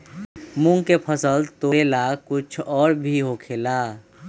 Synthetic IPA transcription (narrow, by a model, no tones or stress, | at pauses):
mʊ̃ŋkepʰəsəlt̪oeːlakʊt͡ʃʰɔːɾbʱiɦoːkʰeːlaː